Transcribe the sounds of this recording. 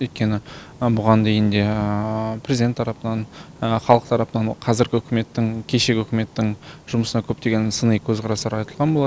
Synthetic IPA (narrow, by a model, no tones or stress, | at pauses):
ɵjt̪̚kʲe̞nɪ | bʊʁɑnd̪e̞jɪnd̪e̞ | pʰɾezid̪e̞nt̪ʰɑɾɑpənɑnəχɑlˠəqt̪ʰɑɾɑpənɑɴqʰɑzɪɾɡʲɪɵkʲɪme̞t̪ːɪŋkʲʰe̞ʃe̞ɡʲɪɵkʲɪme̞t̪ːɪŋʒʊməsənɑkʲʰɵp̚t̪e̞ɡʲe̞nsənəjkʲʰɵzqʰɑɾɑsɑɾɑjt̪əlˠʁɑnbolˠɑd̪ə